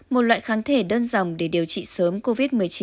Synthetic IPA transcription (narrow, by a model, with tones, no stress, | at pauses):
mo˨˩t̚lwa̰ː˧˨jxaː˨˦ŋt̪ʰe˧˩ɗəː˧nza˨˩wŋ͡mɗe˧˩ɗi˨˩əwt͡ɕḭ˧˨səː˨˦mko˧vi˦˥t̚mɨ˨˩əjt͡ɕi˨˦